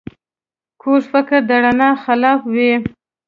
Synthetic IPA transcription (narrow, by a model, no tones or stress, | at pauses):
kʰoɾfɪkəɾd̪aɽanɑxalɑfwi